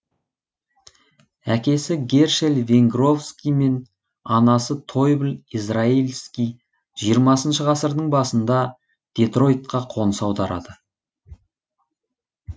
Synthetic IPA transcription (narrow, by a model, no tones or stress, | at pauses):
ækʲe̞sɪɡʲe̞ɾʃelve̞ŋɡro̞fskʲijme̞n | ɑnɑsət̪ʰo̞jblizrailʲskʲij | ʒ̥ijəɾmɑsənʃəʁɑsəɾd̪əɴbɑsənd̪ɑ | d̪̥e̞t̪ro̞jt̪̚qɑqʰo̞nəsɑwd̪ɑɾɑ̰d̪ə